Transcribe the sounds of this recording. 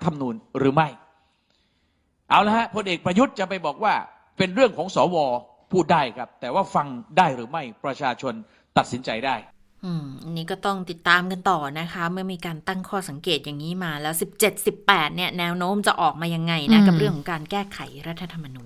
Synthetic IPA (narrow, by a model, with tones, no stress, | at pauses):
t̪ʰa˧mnuː˧nɾɯː˩˦ma˥˩j | ʔa˧˩wla˦˥ha˦˥pʰo˧nʔeː˨˩k̚pɾa˧ju˦˥t̪̚t͡ɕa˨˩pa˧jbɔː˨˩k̚waː˥˩ | pe˧nɾɯ˥˩əŋkʰɔː˩˦ŋsɔː˩˦wɔː˧ | pʰuː˥˩daː˥˩jkʰa˦˥p̚t̪ɛː˨˩waː˥˩fa˧ŋdaː˥˩jɾɯː˩˦ma˥˩jpɾa˧t͡ɕʰaː˧t͡ɕʰo˧n | t̪a˨˩t̪̚si˩˦nt͡ɕa˧jdaː˥˩j | ʔɯː˨˩mʔa˧nːiː˦˥kɔː˥˩t̪ɔ˥˩ŋt̪i˨˩t̪ːaː˧mka˧nt̪ɔː˨˩na˦˥kʰa˦˥mɯ˥˩ɐmiː˧kaː˧nt̪a˥˩ŋkʰɔː˥˩sa˩˦ŋkeː˨˩t̪̚ja˨˩ŋːiː˦˥maː˧lɛː˦˥wsi˨˩p̚t͡ɕe˨˩t̪̚si˨˩pːɛː˨˩t̪̚ni˥˩ɐnɛː˦˥wnoː˦˥mt͡ɕa˨˩ʔɔː˨˩k̚maː˧ja˧ŋːa˧jna˦˥ka˨˩ɾɯ˥˩əŋʰkʰɔ˩˦ŋkaː˧nkɛː˥˩kʰa˩˦jɾa˦˥t̪ʰːa˧t̪ʰa˧mːa˧nuː˧˩n